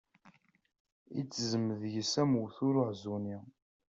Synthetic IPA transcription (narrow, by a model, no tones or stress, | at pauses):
it͡sːzəməðjəsæmuwθʊɾʊʕzuni